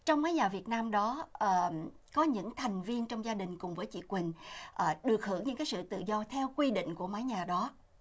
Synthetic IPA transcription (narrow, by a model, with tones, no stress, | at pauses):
t͡ɕɔ˧wŋ͡mmaː˨˦jɲaː˨˩vi˨˩ət̚naː˧mɗɔ˨˦ʔəː˨˩ | kɔ˨˦ɲɨ̰˧˥ŋt̪ʰa˨˩jŋ̟vi˧ənt͡ɕɔ˧wŋ͡mzaː˧ɗï˨˩ŋ̟kʊ˨˩ŋ͡mvəː˨˦jt͡ɕḭ˧˨kwï˨˩ŋ̟ʔːɗɨ˨˩ək̚hɨ˧˩əŋɲɨ̰˧˥kaː˨˦jsɨ̰˧˨t̪ɨ̰˧˨zɔ˧t̪ʰɛ˧wkwi˧ɗḭ˧˨ŋ̟ku˧˩əma˨˦jɲaː˨˩ɗɔ˨˦